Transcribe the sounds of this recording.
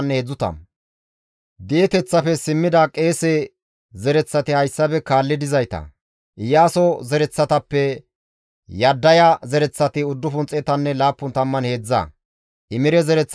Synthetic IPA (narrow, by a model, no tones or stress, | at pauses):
nːɛhed͡zːʊt̪ɐ̰m | d̪ɪjɛt̪ɛt͡sːɐpɛsɪmːɪd̪ɐkʼe̞ːse | zɛɾɛt͡sːɐt̪ɪhɐjsːɐpɛkaːlːɪd̪ɪzɐjt̪ɐ̰ | ʔɪjaːsɔzɛɾɛt͡sːɐt̪ɐpːɛ | jɐd̪ːɐjɐzɛɾɛt͡sːɐt̪ɪʊd̪ːʊfʊnt͡sʼːɛt̪ɐnːɛlaːpːʊnt̪ɐmːɐnhe̞ːd͡zːɐ̰ | ʔɪmɪɾɛzɛɾɛt͡sː